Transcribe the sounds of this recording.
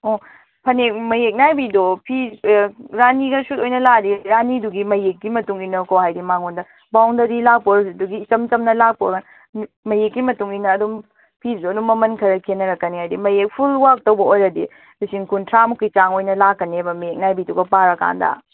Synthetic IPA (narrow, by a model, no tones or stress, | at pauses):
o | pʰɐnek̚mɐjek̚najbidopʰi | ɾaniɡɐsutojnɐladiɾaniduɡimɐjekːimɐtuŋinɐkowhajdimaŋondɐ | bawndɐdilak̚poɾɐsiduɡiːt͡ʃɐmt͡ʃɐmnɐlak̚poɡan | mɐjekːimɐtuŋinɐːdum | pʰisduɐdumːɐmɐnkʰɐɾɐkʰenːɐɾɐkːɐnihajdimɐjek̚pʰulwak̚tɐwbɐojɾɐdḭ | disiŋkuntʰɾamukːit͡ʃaŋojnɐlakːɐnebɐmɐjek̚najbiduɡɐpaɾɐka̰ndɐ̰